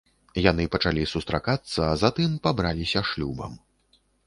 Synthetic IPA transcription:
janɨpɐt͡ʂalʲisust̪ɾakat̪sːɐːzat̪ɨmpabɾalʲisʲɐʂlʲubɐ̰m

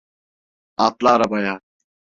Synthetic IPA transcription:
aːplaːɾɐbaːjaː

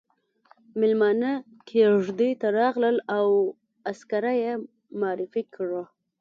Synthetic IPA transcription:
mɪlmɑnə | kʰeʐd̪əjt̪aɾɑɣləlaw | askaɾaje | mɑɾɪfikɽə

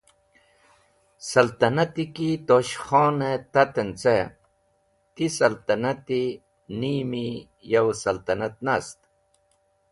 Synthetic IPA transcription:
sɐlt̪ɐnɐt̪ikit̪oɕχoːnet̪ɐt̪ent͡se | t̪isɐlt̪ɐnɐt̪i | niːmi | jɐwsɐlt̪ɐnat̪̚nast̪

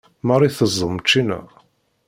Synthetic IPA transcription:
mɑɾˤiθəzˤːəmt͡ʃːinæ̰

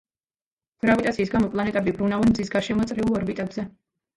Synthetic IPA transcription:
ɡ̥ɾavit̪ʼatsʰiːsɡamɔpʼlˠanɛt̪ʼɛbibɾunavɛnmd̪zisɡaɾʃɛmɔt̪sʼɾiulˠɔɾbit̪ʼɛbzɛ

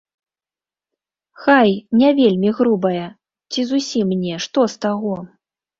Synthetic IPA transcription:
xajnʲavʲelʲmʲiɣɾubɐjɐ | t͡sʲizusʲimnʲɛʂt̪ɔst̪aɣɔ

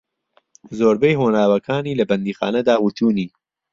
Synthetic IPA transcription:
zoːɾbejɦoːnaːwɐkʰaːniːlɐbɐnd̪iːxa̰ːnɐd̪aːwut̪ʰuːniː

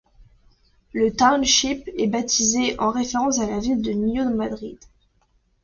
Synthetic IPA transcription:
lət̪awnʃipɛbat̪ʰizeʔɑ̃ʁefeʁɑ̃salavild̪ənjɔmad̪ʁḭd̪

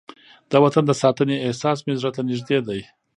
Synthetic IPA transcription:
d̪̥ɑwat̪and̪əsɑt̪əneːhsɑs̬mezɾat̪anɪʒd̪ed̪aj

